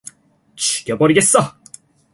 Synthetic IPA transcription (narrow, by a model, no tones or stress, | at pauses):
t͡ɕʰu̥ɡ̥jʌbʌɾiɡe̞s͈ʌ